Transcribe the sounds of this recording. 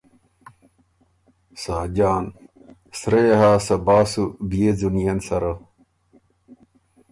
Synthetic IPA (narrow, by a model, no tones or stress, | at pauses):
saːd͡ʑaːn | sɾejɐɦaːsɐbaːsubijed͡zunijɐnsɐɾɐ